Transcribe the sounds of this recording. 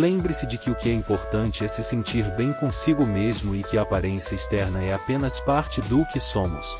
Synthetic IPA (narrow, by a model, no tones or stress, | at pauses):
lẽbɾɪsɪd͡ʒɪkɪʊkɪɛĩmpoɾt̪ɐ̃nt͡ʃɪɛsɪsẽnt͡ʃiɾbẽj̃kõsiɡʊmezmʊɪkɪɐːpaɾẽsiɐɪst̪ɛɾnɐɛapẽnɐspaɾt͡ʃɪd̪ʊkɪsõmʊ̰s